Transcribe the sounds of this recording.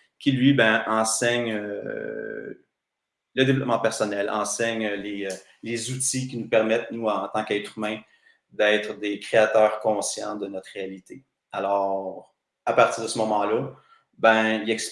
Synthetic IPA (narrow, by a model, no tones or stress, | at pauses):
kʲilɥibɛ̃ʔɑ̃sɛɲø | ləd̪evlɔp̚mɑ̃pɛʁsɔnɛlɑ̰̃sɛɲøleø | lezut̪ikʲinupɛʁmɛt̪nuɑ̃t̪ɑ̃kɛt̪χymɛ̃ | d̪ɛɪt̪χd̪ekχeat̪œːʁkɔ̃sjɑ̰̃d̪ənɔt̪χʁealit̪e | alɔːʁʁ | apaʁt̪iːʁd̪əsəmɔmɑ̃la | bɛ̃ilɛks